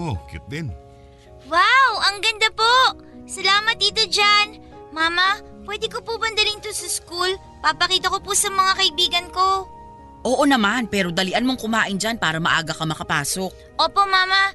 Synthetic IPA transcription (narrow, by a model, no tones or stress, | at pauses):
ʔokɪ̰t̪̚d̪ɪn | wawʔɐŋɡɐnd̪apoʔ | sɐlaːmɐt̪̚d̪iːt̪od͡ʒan | maːmɐ | pwɛd̪ɪkopubɐnd̪ɐlɪnt̪osɐskul | pɐpɐkiːt̪ɐko̞pusɐmɐŋakɐʔɪbiːɡɐnko̞ | ʔoːʔonɐmanpɛːɾo̞d̪ɐlɪʔɐnmoŋkʊmaːʔɪnd͡ʒanpaːɾɐmɐʔa̰ːɡɐkɐmɐkɐpaːso̞k̚ʔoːpo̞maːmɐ